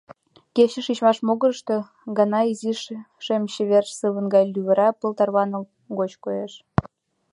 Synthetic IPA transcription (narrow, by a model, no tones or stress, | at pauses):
keɕə̆ʃit͡ɕmɑʃmoɣə̆ʃt̪e̽ | ɡɑnɑiziʃ | ʃemɕeβerʃsɨβə̆nɡɑjlʲyβə̆ɾɑpə̆lt̪ɑrβɑno | ɣot͡ɕkojeʃ